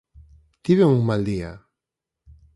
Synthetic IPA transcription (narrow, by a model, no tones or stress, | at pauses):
t̪iβeŋuŋmald̪ia